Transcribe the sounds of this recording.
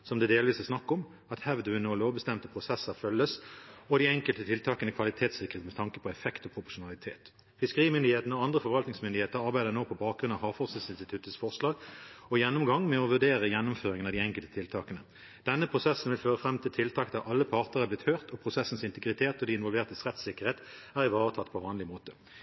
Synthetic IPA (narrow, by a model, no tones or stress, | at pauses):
sɔmd̪ɛd̪eːlʋiːsæsnɑkːɔm | ɑt̪hɛʋd̪əʋʉnoːloːʋbəst̪ɛmt̪əpʰʁʊsɛsəʁfœlːəsɔd̪iɛŋkəlt̪ət̪ʰɪlt̪ʰɑːkənəkʰʋɑlɪt̪ʰeːt̪sɪkːəʁeːt̪mɛt̪ʰɑŋkəpʰɔɛfɛkt̪ɔpʰʁʊpʊʂʊnɑlɪt̪ʰeːt̪ | fɪskəʁiːmʏnd̪ɪheːt̪ənəɔɑnd̪ʁəfɔʁʋɑlt̪nɪŋsmʏnd̪ɪheːt̪əʁɑʁbæɪd̪əʁnoːpʰɔbɑːk̚ɡʁʉnɑʋhɑːfɔʁsəsɪnst̪ɪt̪ʰʉt̪əsfɔʁʂlɑːɡɔjɛnːʊmɡɑŋmɛɔʋʉʁd̪eːʁəjɛnːʊmføːʁɪŋənɑd̪iɛŋkəlt̪ə̥t̪ʰɪlt̪ʰɑːkənə | d̪̥ɛnːəpʰʁʊsɛsənʋɪlføːʁəfʁɛmːt̪ʰɪlt̪ʰɪlt̪ʰɑːkd̪æʁʔɑlːəpʰɑʁt̪əʁæb̪ɪt̪hœːʁt̪ʰɔpʰʁʊsɛsən̩sɪnt̪əɡʁɪt̪ʰeːt̪ɔd̪iɪnʋɔlʋeːʁt̪əsʁɛt̪sɪkːəʁheːt̪æːʁɪʋɑːʁət̪ʰɑt̪ːpʰɔʋɑːnlɪmoːt̪ə